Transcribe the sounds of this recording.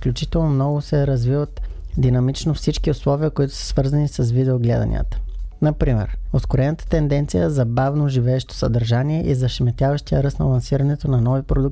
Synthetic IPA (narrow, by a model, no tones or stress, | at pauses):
fklʲut͡ʃit̪ɛlˠnomnɔɡʊsɛɾɐzvivət̪ | d̪inɐmit͡ʃnofsit͡ʃkiʊslˠɔviəkoit̪ʊ̥sə̥svɤɾzɐnisɐsvid̪ɛoɡlɛd̪ɐ̰nʲḭə̰t̪ə̥nɐpɾimɛ̰ɾoskʊɾɛnət̪ə̥t̪ɛnd̪ɛnt̪sijəzɐbavnoʒivɛːʃt̪o̥sɐd̪ɐɾʒaniɛʔizɐʃɛmɛt̪ʲjavɐʃt̪ijəɾɤsnɐlˠɐnsiɾɐnɛt̪onɐnɔvipɾod̪uk̚